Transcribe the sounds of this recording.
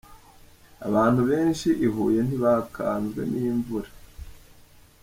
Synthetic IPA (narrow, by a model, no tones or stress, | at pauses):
a̰βaːn̥huβe̞ːnʃiʔiɦuːje̞n̥iβakʰa̰ːnzɡe̞̰niːɱvuɾa